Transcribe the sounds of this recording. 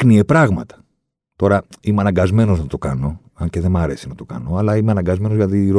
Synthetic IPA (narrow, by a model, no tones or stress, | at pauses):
kniepɾɐɣmɐt̪ɐ̥ | t̪o̞ɾɐimeɐnɐŋɡɐzme̞no̞znɐt̪o̞kɐno̞ | ɐɲce̞ðe̞mɐɾe̞sinɐt̪okɐ̰no̞ɐlɐimeɐnɐŋɡɐzme̞nozɣlɐðiɾo